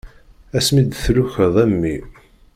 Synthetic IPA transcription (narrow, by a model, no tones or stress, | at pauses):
æsmid̪θlʊçəðˤæmːi